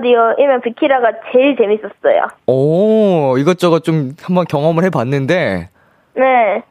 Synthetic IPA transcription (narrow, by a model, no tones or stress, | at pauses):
dioiɾmjʌnpikʰiɾaɡat͡ɕe̞ɭt͡ɕe̞mis͈ʌs͈ʌ̰jo̰ʌ | iɡʌt͡ɕ͈ʌɡat͡ɕomhambʌnkjʌŋʌmɯɭhe̞banːɯnde̞ | ne̞